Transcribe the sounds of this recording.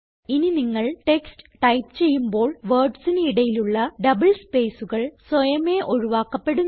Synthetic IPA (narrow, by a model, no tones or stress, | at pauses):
ininiŋːɐɭʈe̞kstɨ̥ʈɐjpt͡ɕe̞jːumbo̞ːɭʋɐːrɖsiniɽɐjiluɭːɐɖɐbɐɭspe̞ːsuɣɐɭswɐjɐmeːʔo̞ɻuʋaːkːɐpːe̞ɽu